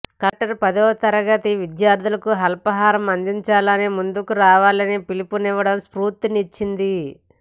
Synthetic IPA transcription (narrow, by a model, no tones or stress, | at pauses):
kɐʈɐɾpɐd̪ɔːt̪ɐɾɐɡɐt̪iʋid̪jaːɾd̪ʱulɐkuɦɐlpɐɦaːɾɐmɐnd̪iɲt͡ʃaːlɐnimund̪ukuɾaːʋaːlɐnipilipuniʋːɐɽɐmspɾuːɾt̪init͡ʃːind̪i